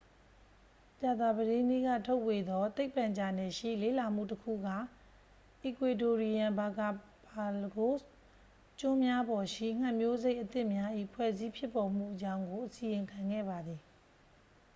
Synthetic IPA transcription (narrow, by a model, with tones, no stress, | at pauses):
t͡ɕa˨d̪a˨bədẽ˦nḛ˦˨ɡa̰˦˨tʰo˦ʊʔwe˨d̪ɔ˦t̪e˦ɪpːã˨ɲd͡ʑa˨nɛ˦˨ʃḭ˦˨lḛ˦˨la˨m̥ṵ˦˨təkʰṵ˦˨ɡa̰˦˨ | ʔi˨kwe˨to˨ɹi˨jã˨mba˨ka˨pa˨lɡo˦ | t͡ɕʊ̃˦mja˦bɔ˨ʃḭ˦˨ŋ̥ã˦˨mjo˦ze˦ɪʔət̪ɪ̃˦ʔmja˦ʔḭ˦˨pʰwɛ̰˦˨zi˦pʰjɪ˦pːɔ˨m̥ṵ˦˨ʔət͡ɕã˦ʊ̃ŋɡo˨ʔəsi˨jɪ̃˨ŋkʰã˨ŋɡɛ̰˦˨ba˨d̪ði˨